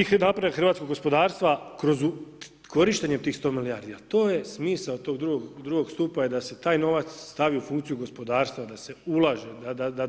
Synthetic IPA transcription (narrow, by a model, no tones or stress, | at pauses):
inapɾaexr̩ʋaːt̪sko̞ɡo̞spo̞d̪aːɾst̪ʋakɾo̞zu | kʰo̞ɾiʃt̪e̞ɲemt̪iːxst̪o̞ːmiliaɾd̪ijalt̪o̞ːje̞smiːsaot̪o̞ɡd̪ɾuɡoɡd̪ɾuɡo̞ɡst̪uːpajed̪ase̞t̪aːjno̞ʋat̪sst̪aʋiufuŋkt̪sijuɡo̞spo̞d̪aːɾst̪ʋad̪ase̞ulˠaʒe̞d̪ad̪ad̪a